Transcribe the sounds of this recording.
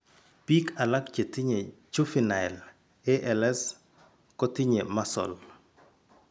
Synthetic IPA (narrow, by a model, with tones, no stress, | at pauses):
pi˦ka˨la˦kt͡ʃe˨ti˦ɲe˨t͡ʃu˦fi˨na˨ɛ˨l | ɛ˦ʔɛ˨lɛ˦s | kɔ˦ti˦ɲe˨ma˦sɔ̰˨l